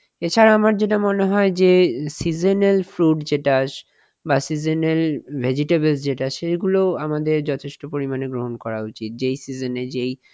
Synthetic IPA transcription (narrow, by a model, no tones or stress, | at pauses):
et͡ɕʰaɾaamaɾd͡ʑeʈamoneɦɔed͡ʑesid͡ʑenelfɾuʈd͡ʑeʈaʃ | basid͡ʑenelbʱed͡ʑiʈebelsd͡ʑeʈaʃejɡuloamad̪eɾd͡ʑɔt̪ʰeʃʈopoɾimaneɡɾoɦonkɔɾaut͡ɕit̪̚d͡ʑejsid͡ʑoned͡ʑej